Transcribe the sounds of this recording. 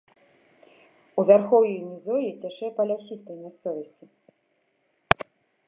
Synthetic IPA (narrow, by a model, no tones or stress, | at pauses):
uvʲarxɔwjijunʲizɔjɛt͡sʲaʂɛjɛpɐlʲasʲist̪ɐjmʲast̪sɔvɐsʲt͡sʲi